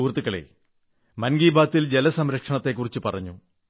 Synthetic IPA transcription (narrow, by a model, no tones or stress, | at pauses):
uːrt̪ːukːɐɭḛ | mɐnɡiːbaːt̪ːild͡ʑe̞lɐsɐmɾɐkʂɐɳɐt̪ːe̞k̬ːurit͡ɕːupɐrɐɲːu